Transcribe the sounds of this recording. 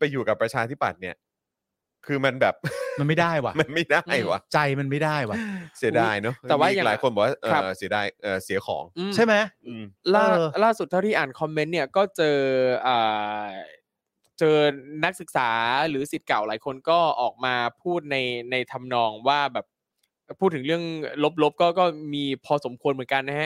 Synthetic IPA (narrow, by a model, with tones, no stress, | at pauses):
pa˧jːuː˨˩ka˨˩pːɾa˧t͡ɕʰaː˧t̪ʰi˦˥pːa̰˨˩t̪̚ni˥˩ɐ | kʰɯː˧ma˧nbɛː˨˩p̚ma˧nma˥˩jda˥˩jwa˨˩ma˧nma˥˩jda˥˩jwa̰˨˩t͡ɕa˧jma˧nma˥˩jdaː˥˩jwa˨˩si˨˩˦daː˧jnɔ˦˥ɛː˨˩waː˥˨˩a˩˨laː˨˩˦jxo˧nbɛː˨˩wa˥˩ʔəːɾa˦˥˩si˩˦daː˧jʔɤː˨˩si˨˩˦xʰɔ̰ː˩˦ŋʔɯː˧t͡ɕʰa˥˩jma˦˥jʔɯː˧˩mlaː˥˩˧laː˥˩su˨˩t̪̚ʰːa˥˩t̪iː˥˩ʔaː˨˩nkʰɔ˧mːe˦˥nːi˥˩ɐkɔː˥˩t͡ɕɤː˧ʔaː˨˩ | t͡ɕɤː˧na˦˥k̚sɯ˨˩k̚saː˩˦ɾɯː˩˦si˨˩t̪̚ka˨˩wlaː˩˦jkʰo˧nkɔː˥˩ʔɔː˨˩k̚maː˧pʰuː˥˩t̪̚na˧jna˧jt̪ʰa˧mnɔː˧ŋwaː˥˩bɛː˨˩p̚ | pʰːuː˥˩t̪ʰːɯ˩˦ŋɾɯ˥˩əŋlo˦˥p̬̚lo˦˥p̚kɔː˥˩kɔː˥˩miː˧pʰɔː˧so˩˦mkʰu˧ənmɯ˩˦nka˧nːa˦˥ha˦˥